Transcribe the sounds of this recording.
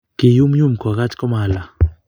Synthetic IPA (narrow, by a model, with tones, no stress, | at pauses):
kɪ˨ju˦mju˦mkɔ˨ɣa˦t͡ʃkɔ˦ma˨la˨